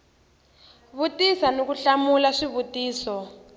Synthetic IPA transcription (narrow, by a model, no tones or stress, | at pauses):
βutisanokuɬamulaʂiβutiːsɔ